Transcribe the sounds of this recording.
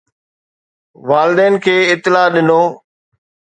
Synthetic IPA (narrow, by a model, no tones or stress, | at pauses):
ʋaːlɪd̪ɛːnkʰeːɪt̪ːɪlaːɗɪnoː